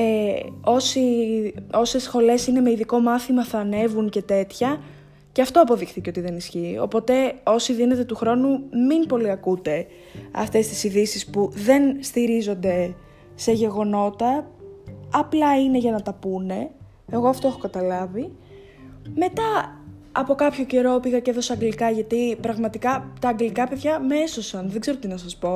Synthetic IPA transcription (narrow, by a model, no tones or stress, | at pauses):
eo̞si | o̞se̞sxo̞le̞sine̞me̞iðiko̞mɐθimɐθɐne̞vuŋce̞t̪e̞t̪çɐ | ceɐft̪o̞ɐpo̞ðixt̪iceo̞t̪iðe̞nisçiːo̞̰po̞t̪e̞o̞siðine̞t̪e̞t̪uxɾo̞numinpo̞liɐkut̪e̞ | ɐ̰ft̪e̞st̪i̥siðisispuðe̞nst̪iɾizo̞nd̪e̞ | se̞ʝe̞ɣo̞no̞t̪ɐː | plɐine̞ʝɐnɐt̪ɐpune̞ | eɣo̞ɐft̪o̞exokɐt̪ɐlɐvi | me̞t̪ɐ | ɐpo̞kɐpço̞ce̞ɾo̞piɣɐceðo̞seɐŋɡlikɐʝɐt̪ipɾɐɣmɐt̪ikɐt̪ɐːŋɡlikɐpe̞ðʝɐmeso̞sɐnðeɡze̞ɾot̪inɐsɐspo̞